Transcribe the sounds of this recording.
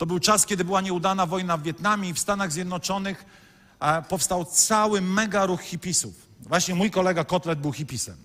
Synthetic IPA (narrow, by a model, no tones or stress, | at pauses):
t̪ɔbɘwt͡ʂaskʲɛd̪ɘbɘwaɲɛud̪anavɔjnavːʲjɛt̪namʲjiifst̪anaɣzʲjɛd̪nɔt͡ʂɔnɘx | pɔfst̪awt̪sawɘmɛɡaɾuxːʲipʲisṵf | vwaɕɲɛmujkɔlɛɡakɔt̪lɛd̪̚bɘwxʲipʲisɛ̰m